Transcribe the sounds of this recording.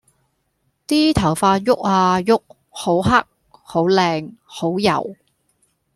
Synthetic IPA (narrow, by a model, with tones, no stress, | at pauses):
t̪iː˥t̪ʰɐ˨˩wfaː˧t̚jʊ˥k̚aː˧jʊ˥k̚ | ho˨˥wɦɐ˥k̚ | ho˨˥wlɛː˧ŋho˨˥wjɐ̰˨˩w